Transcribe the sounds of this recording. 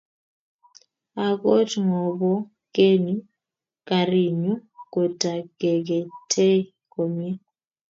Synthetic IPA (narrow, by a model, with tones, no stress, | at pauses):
a˨ko˦tŋɔ˨bɔ˦ | ke˦nu˦ | ka˨ɾi˨ɲu˦ko˨ta˨ɡ̥e˨ɡe˨tʰe˦ | ko˨mje˦